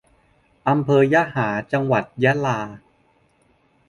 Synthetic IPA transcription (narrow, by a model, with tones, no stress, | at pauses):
ʔa˧mpʰɤː˧jaː˦˥haː˩˦t͡ɕa˧ŋwa˨˩t̪̚jɛ˦˥laː˧